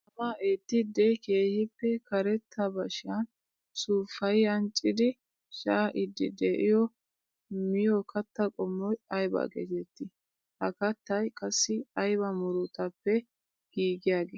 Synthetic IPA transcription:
ɐmaːʔet̪ːɪd̪ɛjke̞ːhɪpːɛkɐɾɛt̪ʰːɐbɐʃɪjɐn | suːfɐjɐnt͡ʃʼːɪd̪ɪ | ʃɐʔɪd̪ːɪ̰d̪eːʔɪjɔ | mɪjɔkʰɐt̪ːɐkʼɔmːɔjɐjbɐ̰ɡḛt̪ɛt̪ːɪ | hɐkɐt̪ːɐjkʼɐsːɪɐjbɐmʊɾʊt̪ɐpːɛ | ɡ̥iːɡɪjaːɡeː

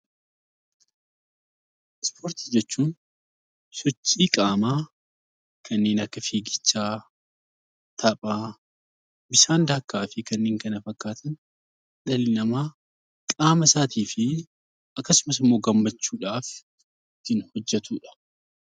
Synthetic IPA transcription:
ɪspo̞ːɾt̪ɪ̥d͡ʒɛt͡ʃːuːn | sɔt͡ʃːiːkʼaːmaː | kʰɐnːeːnɐkːɐfeːɡɪt͡ʃːaː | t̪ʰɐpʼaː | bɪʃaːnd̪aːkːaːfɪkɐnːeːŋkɐnɐfɐkːaːt̪ʰɐn | ᶑɐlɪnɐmaː | kʼaːmɐsaːt̪iːfɪ | ɐkːɐsʊmɐs̬ɪmːo̞ːɡɐmːɐt͡ʃːuːᶑaːf | kɪnhɔd͡ʒːɛt̪ʰuːᶑɐ̥

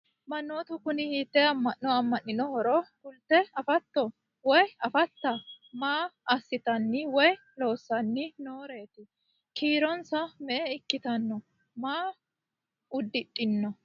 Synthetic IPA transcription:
mɐnːoːt̪ʊkʊnɪhiːt̪ːɛɐmːɐnːɔɐmːɐnːɪnɔhɔɾɔkʊlt̪ːɛɐfɐt̪ːɔ | wɔjɐfɐt̪ːɐ | maːɐsːɪt̪ɐnːɪwɔj | lo̞ːsːɐnːɪno̞ːɾe̞ːt̪ɪ | kʰiːɾɔnsɐmɛʔɛɪkːɪt̪ɐnːɔ | maː | ʊd̪ːɪᶑʼːɪnːɔ

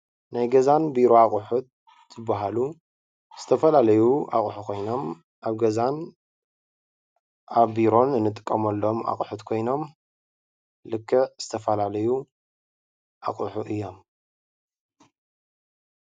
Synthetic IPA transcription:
najɡɐzanbiɾo̞aχʼʊħut̪̚ | z̥ɨbːaɦalu | z̥ɨt̪ʰɐfɐlalɐjuʔa̰kʼħukʰo̞jno̞m | ʔaβɡɐzan | ʔaβːiɾo̞nɨnːɨt̪ʼɨ̥kʼːɐmɐlːo̞ma̰kʼħut̪kʰo̞jno̞m | lɨkʰːɨʕz̥ɨt̪ʰɐfɐlalɐju | ʔa̰kʼuħuʔɨjːo̞m

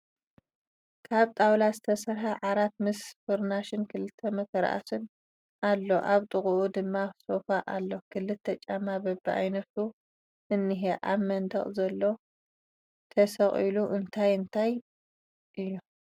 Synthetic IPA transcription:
kʰaβt̪ʼawlazɨt̪ʰɐsɐɾħaʕaɾat̪̚mɨsfoɾnaʃɪnkʰɨlɨt̪ʰːɐmɐk̪ʰɐɾ̰ʔa̰sɨn | ʔalːo̞ʔaβt̪ʼɨχʼuʔud̪ɨmːasofaʔalːo̞kʰɨlːɨt̪ʰːɐt͡ʃʼamabɐbːiʔa̰jnɐt̪u | ɨnːɨɦeʔaβmɐnd̪ɐχʼzɐlːo̞ | t̪ʰɐsɐχʼiluʔɨnt̪ʰajɨnt̪ʰaj | ʔɨjːu

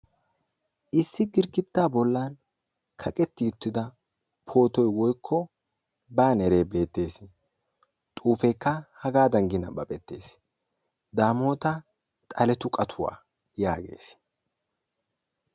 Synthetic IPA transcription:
ʔɪsːɪɡɪɾɡɪt̪ːaːbɔlːan | kʰɐkʼɛt̪ːɪʊt̪ːɪd̪ɐ | pʰo̞ːt̪ɔjwɔjkʰːɔ | baːnɛɾe̞ːbe̞ːt̪ːe̞ːs | t̪ʼuːfɛjkːɐhɐɡaːd̪ɐŋɡɪnɐ̰bɐpʼɛt̪ːe̞ːs | d̪aːmo̞ːt̪ɐ | t̪ʼɐlɛt̪ʊkʼɐt̪ʰʊwa̰ː | jaːɡe̞̰ːs

